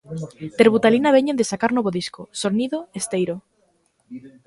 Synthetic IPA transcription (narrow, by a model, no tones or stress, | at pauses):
t̪eɾβut̪alinaβeɲend̪esakaɾnoβoðiskosoniðoest̪ejɾo